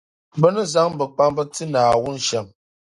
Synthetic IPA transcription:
bə˦nɨ˦za˦ŋbə˨k͡pa˦ŋbə˦ti˦naː˨wu˦n̩˨ʃɛ˨m

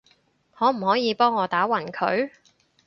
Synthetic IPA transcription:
ŋɔː˨˧m̩˨˩hɔː˨˥jiː˨˧pɔː˥ŋːɔː˨˧t̪aː˨˥wɐ˨˩nkʰɵ̰˨˧˥ɥ

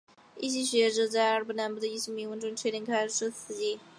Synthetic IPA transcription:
ḭ˥˩ɕi˥ɕɥɛ˧˥ʈ͡ʂɤ˧˩t͡sa˥˩ɪa˧˥bə˧˩na˧˥nbə˥˩d̪ə˧i˥˩ɕi˥ŋmi˧˥ŋwə˧˥nʈ͡ʂʊ˥ŋʈ͡ʂʰe˥ɾi˧˥ŋkʰa˥ɪʂʂ̩ʰ˥t͡sʰɹ̩˧˥˩t͡ɕi˥˩

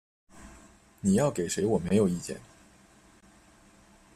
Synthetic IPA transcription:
ni˨˩jɑ˥˩ʊke˨˩ɪʂe˧˥ɪwɔ˨˩me˧˥ɪjo˨˩ʊi˥˧t͡ɕjɛ̰˥˩n

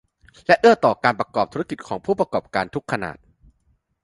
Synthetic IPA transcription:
lɛ˦˥ʔɯ˥˩ət̪ɔː˨˩kaː˧npɾa˧kɔː˨˩p̚t̪ʰu˦˥a˧ki˨˩t̪̚kʰɔː˩˦ŋpʰuː˥˩pɾa˧kɔː˨˩p̚kaː˧nt̪ʰu˦˥kʰːa˧na̰ː˨˩t̪̚

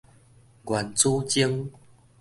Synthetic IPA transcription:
ɡwa˨˩nt͡su˦t͡ɕi˦əŋ

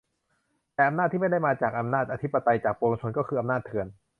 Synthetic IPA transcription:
t̪ɛː˨˩ʔa˧mna˥˩t̪ʰːiː˥˩m˥˩da˥˩jmaː˧t͡ɕaː˨˩k̚ʔa˧mnaː˥˩t̪̚ʔa˧i˦˥pːa˧t̪a˧jt͡ɕaː˨˩k̚poː˧o˧t͡ɕʰo˧nkɔː˥˩kʰɯː˧ʔa˧mnaː˥˩t̪ʰːɯ˧ən

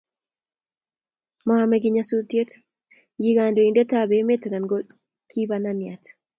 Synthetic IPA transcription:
mɔ˦a˦mɛ˨ɡɪ˦ɲa˦su˦tje˦t | ɡi˦ɡa˨ndɔ˨i˨nde˦ta˦be˨˦me˦tna˨nɡɔ | kʰi˦bananja˨t

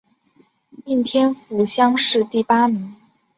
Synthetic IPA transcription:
i˥˩nt̪ʰjɛ˥nfu˧˥ɕjɑ˥ŋʂɻ̩˥˧t̪i˥˩pa˥mi˧˥˦ŋ

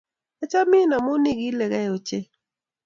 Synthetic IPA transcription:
a˦t͡ʃa˦mɪ˦na˨mo˦nɪ˦ɡi˦lɛ˨ɡɛ˦jo˨t͡ʃe˦

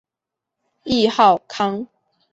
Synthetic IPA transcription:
i˥˧hɑ˥˨ʊkʰɑ˥˦ŋ

